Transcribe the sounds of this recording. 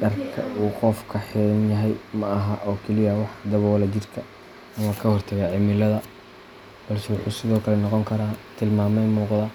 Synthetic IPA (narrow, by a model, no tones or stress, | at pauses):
ɖɐrkʰɐ̰ʔuːqɔfkʰɐħɪlɐnjɐɦɛjmɐɐɦɐʔɔːkʰɛlɪjɐwɑħd̪ɐβɔwɐlɐt͡ʃɪrkʰɐ | ɐmɐkʰɐhɔrt̪ʰɐɣaːʕɪmɪlɐðɐ | b̥ɐlsɛwʊħuːsɪðɔːkʰɐlɛnɔqɔŋkʰɐɾaːt̪ʰɪlmaːmɛjmuːqðɐ